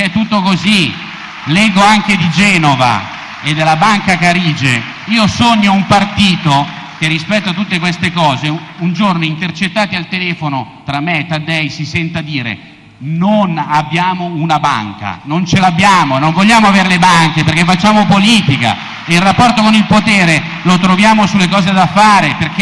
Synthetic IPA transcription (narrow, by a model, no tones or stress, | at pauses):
ɛt̪ːut̪ːokozi | lɛɡːoaŋked̪id͡ʒɛːnova̰ | ed̪ːelːabaŋkakaɾiːd͡ʒe | iːosoɲːoumpart̪iːt̪o | k̟erːispɛt̪ːoat̪ːut̪ːekwest̪ekɔːzeund͡ʒornoint̪ert͡ʃet̪ːaːt̪ialt̪elɛːfonot̪ɾamːet̪ːad̪ɛjsisɛnt̪ad̪iːɾḛ | nonabːjaːmounaba̰ŋka̰nont͡ʃelabːjaːmonoɱvoʎːaːmoaveːɾelebaŋk̟eperkefat͡ʃːaːmopoliːt̪ika̰ | eilrapːɔrt̪okonilpot̪eːɾe | lot̪ɾovjaːmosulːekɔːzed̪afaːɾeperk̟e